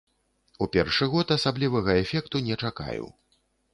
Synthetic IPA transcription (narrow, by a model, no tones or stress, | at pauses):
upʲɛ̰rʂɨɣɔt̪asablʲivɐɣɐɛfʲɛkt̪unʲɛt͡ʂaka̰jṵ